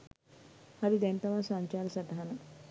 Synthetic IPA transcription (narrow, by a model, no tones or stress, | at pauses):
haɾid̪ɛnt̪ɐʋasaɲt͡ʃaːɾɐsaʈaɦanə